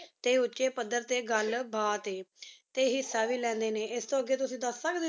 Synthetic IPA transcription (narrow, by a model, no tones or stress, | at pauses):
t̪eutt͡ɕepəd̪ːəɾt̪eɡalbʱat̪et̪eɦiːsaʋilɛ̃nd̪eneest̪oəɡet̪̬usĩd̪əsakd̪